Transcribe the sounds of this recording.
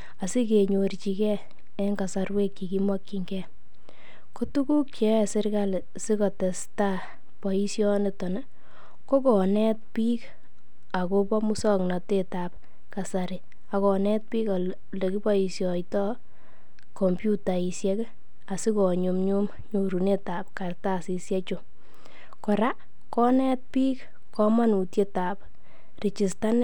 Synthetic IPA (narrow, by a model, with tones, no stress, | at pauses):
a˨si˦ke˨ɲoɾt͡ʃi˨kɛ˦ | ɛ˦ŋɡa˨sarwe˦kːi˨ki˦mwa˦kːiŋɡɛ˦ | ko˦tu˦ku˦k̚t͡ʃɛ˨˦˨sɪ˦ɾkal | si˦kɔ˨tɛ˨sta˦ | pɔ˨i˦sjɔ˦nɪ˨tɔ˨nɛ | kɔ˦kɔ˨nɛ˦t̚piː˦k | a˨ko˧pɔ˦mu˦sɔ˦ŋnɑ˨te˦ta˨p̚ | ka˨saɾɪ | a˨kɔ˨nɛ˦t̚piː˦ka | le˨ki˦pɔ˦i˨sjɔ˨jtɔ˦ | kɔ˨mpju˦ta˨i˨sjɛ˦k | a˨si˦kɔ˨ɲu˨mɲu˦m | ɲo˨ɾu˨ne˦ta˨pka˨rtasi˨sjɛ˦t͡ʃo˨ | kɔ˨ɾa˦ | kɔ˦nɛ˦t̚piː˦k | kɔ˦ma˦nu˨tje˦ta˨p | rɪ˨t͡ʃi˨sta˦n